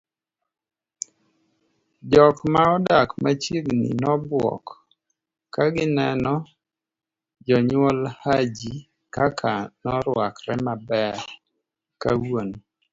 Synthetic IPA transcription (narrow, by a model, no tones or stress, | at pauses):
d͡ʒɔkmaɔdakmat͡ʃiɡnḭnɔbwɔ̰kː | aɡɪnɛnɔ | d͡ʒɔɲwɔlhad͡ʒi | kakʰanɔɾwakɾɛmabɛɾ | kawon